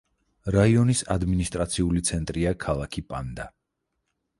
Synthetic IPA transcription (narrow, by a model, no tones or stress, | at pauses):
ɾaiɔnisad̪minist̪ʼɾat̪sʰiulit̪sʰɛnt̪ʼɾiakʰalˠakʰipʼa̰nd̪a